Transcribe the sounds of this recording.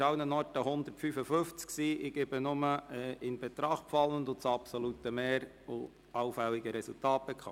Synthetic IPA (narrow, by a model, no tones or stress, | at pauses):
ɑʊnənɔɾtəɦʊnd̪əɾtfyfəfɵft͡sksiːʔɪɡ̥ebənʊməɛːɪnb̥ɛt̪ɾɑχtpfɑlːənd̪ʊt͡sɑpsolut̪əmeːɾ | ʊ | ɑʊfælːiɡəɾɛsultɑːt̚bɛkχɑ̰